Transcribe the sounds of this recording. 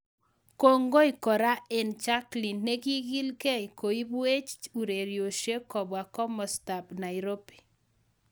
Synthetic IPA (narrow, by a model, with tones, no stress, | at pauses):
ko˦ŋɡo˦i˨kɔ˨ɾa˦e˨nt͡ʃa˦kli˨nːe˦ki˦ɡi˦lkɛ˦i˨ko˨i˦bu˦e˦t͡ʃu˨ɾe˨ɾjo˨ʃe˦kɔ˨bwa˨kɔ˦mɔ˨sta˨pna˨i˨ɾo˦pi̥˨